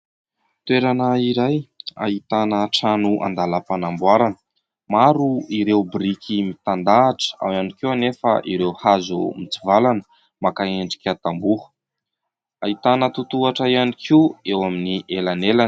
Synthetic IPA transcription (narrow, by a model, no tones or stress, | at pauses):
t̪weɾanəiɾaja̰it̪anəʈ͡ʂanuʔa̰nd̪alapanambuaɾanə̥ | maɾuiɾewbɾikʰimit̪and̪aːʈ͡ʂə̥a̰wjanikianefə̰ʔiɾewhazumit͡sivalanə̥ | makaeɳɖ͡ʐi̥kʲat̪ambuhə̥ | ait̪anət̪ut̪uaʈ͡ʂaianikʰiwewaminiʔelanelan